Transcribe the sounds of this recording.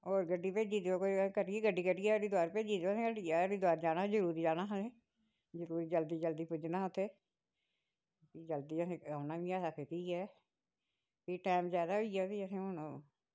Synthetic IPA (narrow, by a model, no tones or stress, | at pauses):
oːɾɡəɖːiːpeːd͡ʒiːd̪eoːkoikəʈɡiːɡəɖːiːkəʈiɛːdiːd̪ʊaːɾepeːd͡ʒiːd̪osẽːkəʈiaːɾiːd̪aːɾd͡ʒaːnãːd͡ʒəɾuːɾiːd͡ʒaːnaːɦəlẽː | zəɾuːɾiːd͡ʒəld̪iːd͡ʒəld̪iːpʊd͡ʒnaːʊt̪ʰːeː | piːd͡ʒəld̪iːəsẽːaːnaːʋiːaːsaːkʰet̪iːɛː | piːʈɛːmzaːd̪aːɦoiːaːd̪iːəsẽːonõː